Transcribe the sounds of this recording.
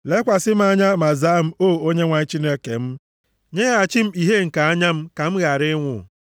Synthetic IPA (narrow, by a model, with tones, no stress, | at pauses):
le˦kʷa˨sɪ˦m̩˦a˦ɲa˦ma˨za˦m̩˦o˦˨o˦ɲe˦ŋʷa˨ɲi˦t͡ʃi˦ne˦ke˨m̩˦ | ɲe˦ɣa˦a˨t͡ʃi˦m̩˦i˨ɦe˦ŋ̩˨ka˨a˦ɲa˦m̩˦ka˨m̩˦ɣa˨ɾɪ˦ŋʷʊ˨